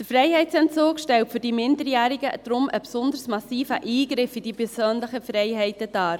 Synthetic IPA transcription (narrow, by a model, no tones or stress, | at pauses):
d̥əɾfɾɛɪhɛɪtt͡sɛnt͡soːkʃtɛltfʏɾd̥imɪndəɾjæːɾiɡəd̥ɾʊmʔə̰psʊndəɾsmɑsiːfəʔiːɡɾɪfid̥ipʰɛɾsøːnləχəfɾɛɪɦɛɪtəd̥ɑːɾ